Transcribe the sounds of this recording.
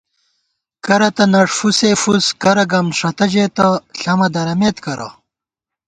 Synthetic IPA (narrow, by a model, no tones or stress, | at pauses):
kɐɾɐt̪ɐnɐʂfusefuskɐɾɐɡɐmʂɐt̪ɐd͡ʑeːt̪ɐɬɐmɐd̪ɐɾɐmeːt̪kɐɾʔɐ̰